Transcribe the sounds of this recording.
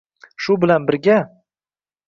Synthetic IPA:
ʃʊbɪlanbɪɾɡʲa

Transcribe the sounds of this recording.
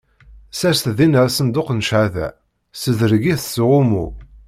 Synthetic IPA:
sæsθðinəɾsənd̪ʊqnʃʕaðæ̰ | səðəɾɡiθsʁʊmṵ

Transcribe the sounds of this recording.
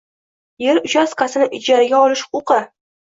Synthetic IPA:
je̞ɾʊʃasqasɪnɪʔɪd͡ʒaɾaɡʲaɒlɪʃʊqɑ

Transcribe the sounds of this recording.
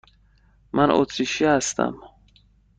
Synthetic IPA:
mʔanʔo̰t̪ʰɾiʃiast̪ʰa̰m

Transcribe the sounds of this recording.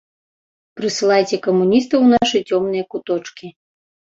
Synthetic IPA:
pɾɨsɨlˠajt͡sʲɛkɐmunʲist̪ɐwnaʂɨt͡sʲɔmnɨjɐkut̪ɔt͡ʂkʲi

